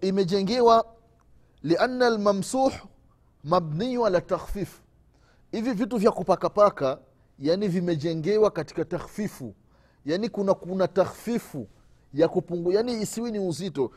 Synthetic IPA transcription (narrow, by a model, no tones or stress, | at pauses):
imɛʄɛŋɡɛwa | liʔanːalmamsuːħ | mabniwalataxfiːf | hivivituvjakupakapaka | janivimɛd͡ʒɛŋɡɛwakati̥kataxfifṵ | janikunakunataxfifu | jakupuŋɡujaniːsiwiniuzitɔ